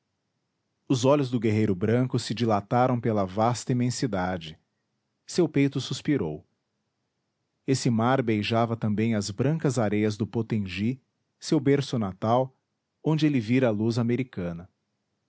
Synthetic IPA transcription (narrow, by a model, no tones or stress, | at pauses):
ʊzɔʎʊzd̪ʊɡeɦejɾʊbɾɐ̃ŋkʊsɪd͡ʒilat̪aɾɐ̃w̃pelɐvast̪ɐimẽsid̪ad͡ʒɪ | sewpejt̪ʊsuspiɾow | esɪmaɾbejʒavɐt̪ɐ̃mbẽj̃ɐzbɾɐ̃ŋkɐzaɾejɐzd̪ʊpot̪ẽʒi | sewbeɾsʊnat̪aw | õnd͡ʒɪelɪviɾɐːluzameɾikɐ̃nɐ